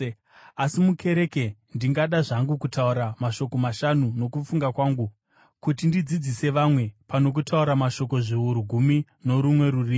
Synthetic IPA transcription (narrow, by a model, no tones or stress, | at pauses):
asimukʰe̞ɾe̞kendiŋɡaɗaʐaŋɡukutauɾamaʃo̞ko̞maʃanuno̞kufuŋɡakwaːŋɡu | kutindid͡zid͡zise̞ʋamwe̞pano̞k̬utʰauɾamaʃo̞ko̞ʐiɦuɾuɡʱumi | no̞ɾumwe̞ɾuriːme